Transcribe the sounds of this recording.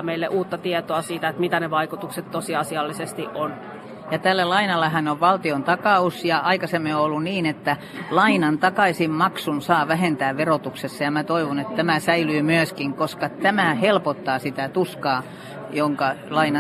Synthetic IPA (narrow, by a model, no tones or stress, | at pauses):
meilːeʔuːt̪ːɑt̪iet̪oɑsiːt̪æet̪mit̪æneʋɑikut̪ukset̪t̪osiɑsiɑlːisest̪iʔʔon | jɑt̪ælːælɑinɑlːɑhænoʋʋɑlt̪iont̪ɑkɑusjɑɑikɑsemːioolːunniːnet̪ːæ | lɑinɑnt̪ɑkɑisimmɑksunsɑːʋæɦent̪æːʋʋerot̪uksesːɑjɑmæt̪oiʋonet̪t̪æmæsæilyːmyøskiŋkoskɑt̪æmæhelpot̪ːɑːsit̪æt̪uskɑː | joŋkɑlɑinɑ